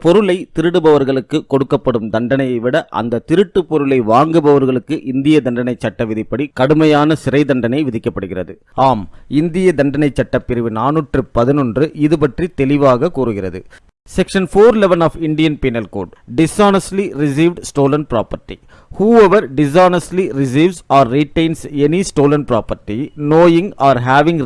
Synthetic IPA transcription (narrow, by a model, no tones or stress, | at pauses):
pɔɾɯlɐɪt̪ɪɾɯɽɯbɐʋɐɾɣɐɭɯkːɯkːɔɽɯkːɐpːɐɽɯmd̪ɐɳɖɐnɐjɐɪʋɪɽɐʔɐ̰nd̪ɐt̪ɪɾɯʈːɯpɔɾɯlɐɪʋaːŋɡɯbɐʋɐɾɣɐɭɯkːɯʔɪnd̪ɪjɐd̪ɐɳɖɐnɐɪt͡ʃːɐʈːɐʋɪðɪpːɐɽikɐɽɯmɐjaːnɐsɪɾɐɪd̪ɐɳɖɐnɐɪʋɪðɪkːɐpːɐɽɯɣɪrɐ̰ðɯ | aːmɪnd̪ɪjɐd̪ɐɳɖɐnɐɪt͡ʃːɐʈːɐpːɪɾɯʋɯnaːnuːʈrɯpɐðɪnɔndrɯʔɪðɯpɐʈrit̪ɛlɪʋaːɣɐkːuːɾɯɣɪrɐðɯ̰ | sɛkʂɐnfoːɾɪlɛʋɐnaːfɪɳɖɪjɐnpiːnɐlko̰ːɖɖɪsaːnɐsliɾɪsiːʋɖsʈoːlɐnpɪɾa̰ːpɐɾʈːi | huːɛʋɐɾɖɪs̬aːnɐsliɾɪs̬iːʋsaːɾːiʈeɪnsɛnisʈoːlɐnpɾaːpɐɾʈːinoːjɪŋaːɾɦaːʋɪŋ